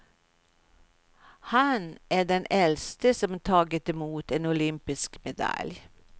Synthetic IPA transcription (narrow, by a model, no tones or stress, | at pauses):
hɑnʔæːɖɛnɛlst̪əsɔmt̪ʰɑːɡət̪ɛmuːt̪eːnʊlʏmpɪskmɛd̪ɑ̰lj